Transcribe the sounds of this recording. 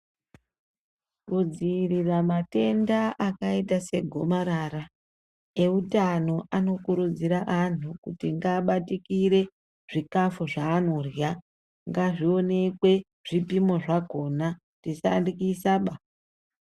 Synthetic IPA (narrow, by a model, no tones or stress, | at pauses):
kud͡ziriramate̞ndaʔakaitase̞ɡʱo̞maɾaːra | e̞utano̞ʔano̞kuɾud͡ziɾaʔan̤ukutiŋɡaːɓatikiɾe̞ | ʐ̥ikafuʐaːno̞rja | ŋɡaʐio̞ne̞kwe̞ | ʐ̥ipimo̞ʐako̞na | tisa̰ndikiːsaɓa